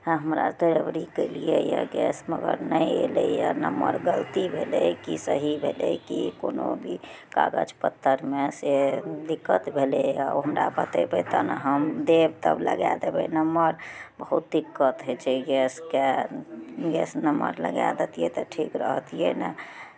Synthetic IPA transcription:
ɦəmɾat̪eɾəbɾikəlijejə̰ɡɛsməɡəɾnəjelejənəmːəɾɡəlt̪ibʱelekisəɦibʱelekikonobʱi | ka̰ɡəd͡ʒpət̪ːəɾmesed̪ikːət̪bʱeleaɦəmɾapət̪ebet̪ənəɦəmd̪ebt̪əbləɡad̪ebɛnəməɾbəɦut̪̚d̪ikːət̪ɦet͡ʃʰeɡɛske | ɡɛsnəmə̰ɾlə̰ɡa̰d̪et̪ijet̪ɔʈʰikɾəɦt̪ijenə

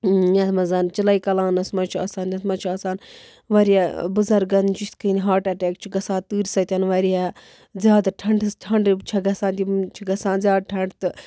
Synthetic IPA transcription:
jɐt̪ʰmɐzɐnt͡ʃilɐjkɐlãːnɐsmɐt͡ʃʰuɐ̰saːnʲɐt̪mɐt͡ʃʰuɐːsaːn | ʋɐɾijabɨzɐɾɡɐnt͡ʃut̪kɨnʲiɦaːʈɐʈeːk̚t͡ʃʰiɡɐsãːt̪ɨːɾʲsɐt̪ʲɐnʋɐɾija | zʲjaːd̪ʈʰɐɳɖɨsʈʰɐɳɖbt͡ʃʰɐɡɐsaːnt̪ʲit͡ʃʰiɡɐsãːnzʲjaːd̪̚ʈʰɐɳɖt̪ɨ

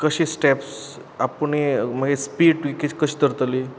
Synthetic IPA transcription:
kəɕisʈeps | apəɳem̤əɡespiːɖʈikikəɕiːt̪əɾt̪li

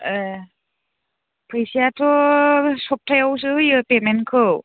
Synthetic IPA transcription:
pʰɯjsiatʰɔsɔp̚tʰajaws̬ɯɯjɯpementkʰɯw

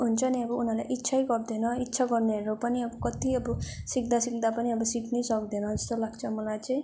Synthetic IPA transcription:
ɦunt͡sʰʌniʌbʌunala̰jʔitːsʰajɡʌrd̪enʌitːsʰaɡʌrneɦʌɾupʌniʌbʌkʌt̪iʌbʌsikd̪asikd̪apʌniʌbʌsiknesʌk̚d̪enʌd͡zʌst̪olaɡt͡sʰʌmʌlajt͡saĩ

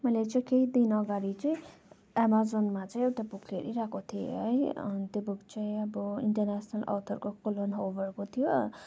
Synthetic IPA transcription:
mʌjlet͡saĩkeid̪inʌɡaɾit͡saĩ | amazonmat͡saĩewʈabukʰeɾiɾakot̪ʰijḛɦʌjnt̪jobuɡt͡saĩʌbʌḭɳʈʌrnasʰnalʔʌ̰t̪ʰʌrkokolonɦoʋʌrkot̪ʰijo

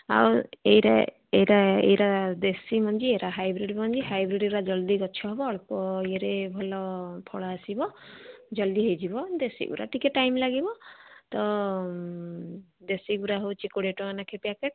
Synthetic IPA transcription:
a̰wejɾa̰ | eɾaḛjɾad̪esimɔnd͡ʒieɾaɦajbɾiɖmɔnd͡ʒiɦajbɾiɖɾad͡ʒɔld̪iɡɔt͡ʃʰɔɦebɔːɭkɔjeɾebʱɔlɔpʰɔɭaːsibɔd͡ʒɔld̪iɦejd͡ʒibɔd̪esḭɡṵɾa̰ʈikeʈːajmlaɡibɔt̪ɔ | d̪esiɡuɾaɦowt͡ʃʰikoɽeʈɔkanakʰepiakeʈ

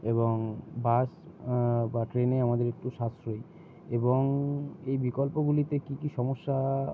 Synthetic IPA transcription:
eboŋbas | baʈɾeneamad̪eɾek̚ʈuʃasɾoj | eboŋejbikolpoɡulit̪ekikiʃɔmoʃːa

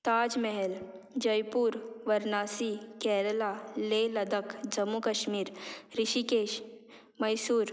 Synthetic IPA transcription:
t̪aːd͡ʒmɛɦɛl | d͡ʒɐjpuːɾʋɐɾnaːsikɛːɾəlaːleːlɐd̪əkd͡ʒɐmːukɐʃmiːɾɾɪʃikeːʃ | mɐjsuːɾ

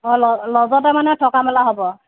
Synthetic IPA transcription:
ɔlɔlɔzɔtɛmanɛtʰɔkamɛlaɦɔbɔ

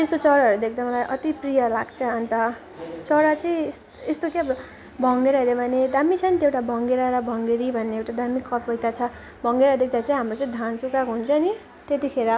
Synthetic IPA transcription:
t̪est̪ot͡sʌɾaɦʌɾud̪ek̚ʰd̪amʌlaʔʌt̪iprijʌlaɡt͡sʰʌːnt̪ʌ | t͡sʌɾat͡sʌĩs | est̪okeb | bʱʌŋɡeɾaɾebʱʌned̪amit͡sʰʌnit̪ewʈabʱʌŋɡeɾaɾʌbʱʌŋɡeɾibʱʌnːeewʈad̪amikʰːʌp̚bʱʌjt̪at͡sʰʌ | bʱʌŋɡeɾad̪ekʰd̪at͡sʰʌĩɦamrot͡sʌĩd̪ʱansukakoɦunt͡sʰʌni | t̪et̪ikʰeɾʌ

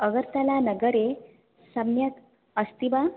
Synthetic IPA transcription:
əɡəɾt̪alanəɡəɾe | səmnjat̪ | əst̪iʋa

